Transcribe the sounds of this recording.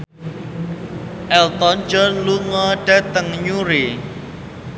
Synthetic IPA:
ʔɛlt̪ɔnd͡ʒɔnluŋɔɖ̥a̤t̪əŋɲuɾe

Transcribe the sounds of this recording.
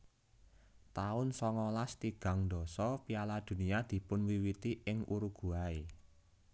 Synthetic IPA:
t̪aʊnsɔŋɔlast̪iɡ̥a̤ŋnd̪ɔ̤sɔpialad̪̥ṳniad̪̥i̤pʊnwiwit̪iɪŋuɾuɡ̥ṳae

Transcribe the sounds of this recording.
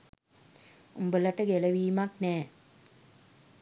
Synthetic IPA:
umbələʈəɡeləʋiːmaknɛː

